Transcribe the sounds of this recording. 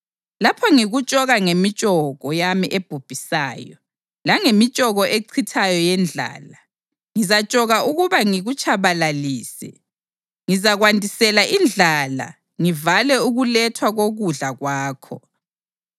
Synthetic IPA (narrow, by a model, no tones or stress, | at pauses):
lapʰɔŋiɣut͡ʃʼɔɣaŋemit͡ʃʼɔɣɔjamiʔeb̥ʱub̥ʱisaːjɔ | laŋemit͡ʃʼɔɣɔʔeǀʰitʰajɔjɛnd͡ɮʱa̰ːla | ŋizat͡ʃʼɔɣaʔuɣuβaŋiɣut͡ʃʰaβalaliːsɛ̰ | ŋizaɣwantʼisɛlaʔind͡ɮʱala̰ | ŋivalɛuɣulɛtʰwaɣoɣuɮaɣwaːkʰɔ̰